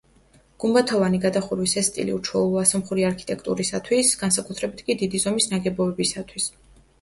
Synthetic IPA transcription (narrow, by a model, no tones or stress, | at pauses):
ɡ̥umbat̪ʰɔvaniɡad̪aχuɾwisɛst̪ʼḭlḭut͡ʃʰwɛlˠɔasɔmχuɾiaɾkʰi̥t̪ʼɛkʰt̪ʼṵɾisat̪ʰwisɡ̥ansakʼut̪ʰɾɛbit̪ʰkʼid̪id̪izɔmisnaɡɛbɔɛbisat̪ʰwis